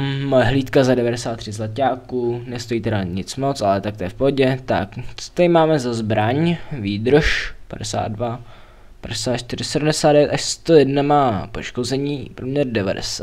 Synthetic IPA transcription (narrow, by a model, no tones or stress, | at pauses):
mojɛɦliːt̪kazadɛvadɛsaːt̪ːr̝̥ɪzlacaːkuːnɛst̪o̞jiːt̪ɛɾaɲɪt͡smot͡sʔalɛt̪ak̚t̪ɛɛfpoɟɛt̪a̰kt͡so̥t̪aɪmaːmɛzazbɾaɲviːd̪ɾʃpadɛsa̰ːd̪dva | padɛsaːt̪ʃt̪ɪɾ̝ɪsɛdum̩dɛsaːdɛvjɛt̪ʔaʃst̪ojɛdnamaːpo̞ʃko̞zɛɲiːpɾomɲɛɾdɛva̰dɛ̰saː